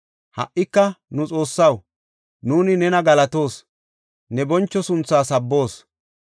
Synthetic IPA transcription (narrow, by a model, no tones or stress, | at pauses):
hɐ̰ʔʔɪkːɐnʊt͡sʼo̞ːsːɐw | nuːnɪnɛnɐɡɐlɐt̪o̞ːs | nɛbɔnt͡ʃːɔsʊnt͡sːaːsɐbːo̞ːs